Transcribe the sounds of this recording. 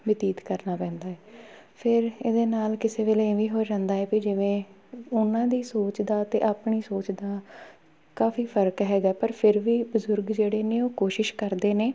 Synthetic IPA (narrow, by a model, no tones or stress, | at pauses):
bɪt̪iːt̪kəɾnaːpɛ̃ːnd̪aːɛː | pʰɪɾeːd̪eːnaːlkɪseːʋeːleːʋiːɦoːd͡ʒãːnd̪aːɛːkid͡ʒɪʋẽː | ʊnãːd̪iːsoːt͡ʃd̪aːt̪eːʔaːpɳiːsoːt͡ʃd̪aː | kaːfiːpʰəɾkɦɛːɡaːɛːpəɾpʰɪɾʋiːbəzʊɾɡd͡ʒeːɽeːneːoːkoːʃɪʃkəɾd̪eːneː